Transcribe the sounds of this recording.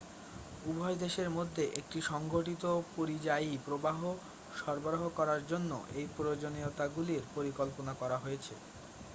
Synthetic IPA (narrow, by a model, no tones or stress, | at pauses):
ubʱɔjd̪eʃeɾmod̪ʱːeʔek̚ʈiʃɔŋɡʱoʈit̪opoɾid͡ʑajipɾobaɦo | ʃɔɾboɾoɦokɔɾaɾd͡ʑonːo̰ʔejpɾojod͡ʑoniot̪aɡuliɾpoɾikɔlponakɔɾaɦojet͡ɕʰḛ